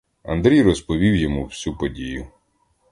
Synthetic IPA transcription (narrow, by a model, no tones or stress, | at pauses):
ɐ̰nd̪ɾʲijrɔspɔʋʲiwjɔmuwsʲupɔdʲijʊ